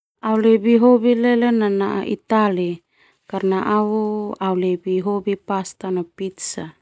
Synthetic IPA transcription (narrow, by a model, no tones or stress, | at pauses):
aulebiɦobilɛlenanaʔa̰ʔit̪ali | karnaʔaoaulebiɦobipast̪anopit̪sa